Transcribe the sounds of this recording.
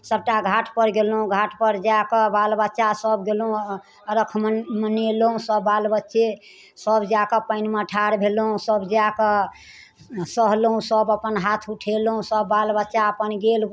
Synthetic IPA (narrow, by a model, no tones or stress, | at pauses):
səb̚ʈaɡʱaʈʰpəɾɡelɦũɡʱaʈpəɾd͡ʒakəbalbətːʃasəbɡelũ | əɾəkʰmməneloɦũsəbːalbətːʃe | səbd͡ʒakəpəɪnməʈʰaɾbʱeloɦũsəbd͡ʒakə | səɦlɦũsəbəpənɦat̪ʰuʈʰelũsəbːalbətːʃaəpənɡel